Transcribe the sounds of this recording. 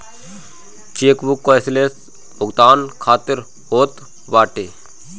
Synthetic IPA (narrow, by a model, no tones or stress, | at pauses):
t͡ʃeːkbukːojsleːs | bʱʊɡt̪aːnkʰaːt̪iɾ | hoːt̪ | ʋaːʈe